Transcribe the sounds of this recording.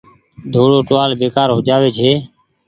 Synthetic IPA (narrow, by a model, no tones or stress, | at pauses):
d̪ʱoːɽoːʈʊʋaːlbeːkaːɾɦoːd͡ʒaːʋeːt͡ʃʰeː